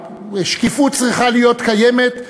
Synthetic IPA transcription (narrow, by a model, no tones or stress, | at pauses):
ʃkifut͡sʁiχalijo̞t̪kajemet̪